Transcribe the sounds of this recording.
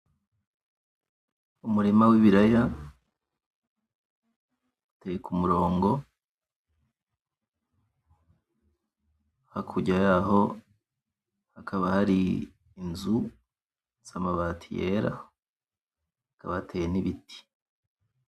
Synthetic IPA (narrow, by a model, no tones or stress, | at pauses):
umuɾimawiβiɾaja | atejekʰumuɾo̞ːŋɡo̞ | hakʰuɟajaho̞ | hakʰaβahaɾiː | nzu | samaβatʰijḛːɾa̰ | hakaβahatejeniβiti̥